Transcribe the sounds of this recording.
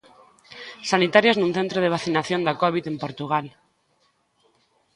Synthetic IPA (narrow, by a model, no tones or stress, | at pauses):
sanit̪aɾjaznũn̟θẽnt̪ɾoðeβ̞aθinaθjond̪akɔβit̪empoɾt̪uɣal